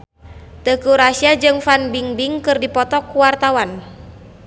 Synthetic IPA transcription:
t̪əkuɾasiad͡ʒɨŋfanbiŋbiŋkɨrdipɔt̪ɔkuwart̪awan

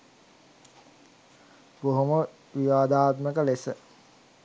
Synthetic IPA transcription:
boɦomə | ʋiʋaːd̪aːt̪məkəlesə

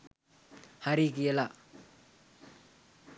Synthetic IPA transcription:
haɾikijelaʔ

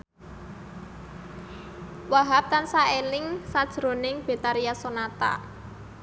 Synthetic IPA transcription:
waɦap̚t̪ansaelɪŋsad̥ʒ̥ɾo̤nɪŋb̥e̤t̪aɾijasonat̪a̰

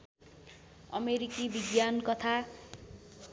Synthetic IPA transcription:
ʌ̰meɾikibiɡjankʌt̪ʰa

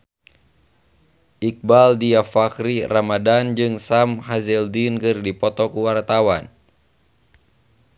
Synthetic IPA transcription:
ʔik̚baldiafakɾiramadand͡ʒɨŋsamhazɛldinkɨrdipɔt̪ɔkuwart̪awan

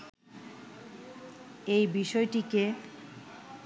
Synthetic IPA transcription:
ejbiʃɔeʈike

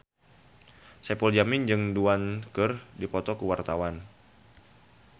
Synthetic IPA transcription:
sɛpɔld͡ʒamɪnd͡ʒɨŋduankərdipɔt̪ɔkuwart̪awan

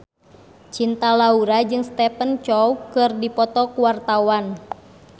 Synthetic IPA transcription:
t͡ʃint̪alauɾad͡ʒɨŋst̪ɛpənt͡ʃɔukɨrdipɔt̪ɔkuwart̪awan

